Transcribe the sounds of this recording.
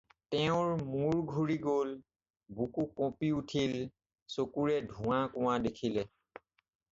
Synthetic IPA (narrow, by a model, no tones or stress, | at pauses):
tɛʊ̃ɹmuɹɡʱuɹiɡol | bukukɔ̃piutʰil | sokuɹɛdʱũãkʊ̃adekʰilɛ